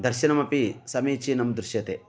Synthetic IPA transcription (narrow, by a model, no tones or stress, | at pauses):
d̪ʱɐɾʃɐnɐmɐpisɐmeːt͡ʃinɐmd̪ɾuʃjɐt̪e